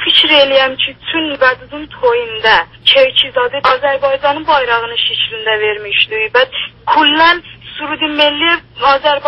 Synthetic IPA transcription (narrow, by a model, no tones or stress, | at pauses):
fʰit͡ʃʰɾelijɛmt͡ʃʰɪt̪ʰynvæd̪ɨd̪ɨnt̪ʰojɨnd̪ɛ | t͡ʃʰewt͡ʃʰizɑd̪ɨɑzæɾbɑjd͡ʒɑnːɨbɑjɾɑʁənɨʃet͡ʃʰlɪnd̪ɛveɾmɪʃd̪ubɛt̪kʰulːænsuɾd̪ɪmelːɪɑzæɾb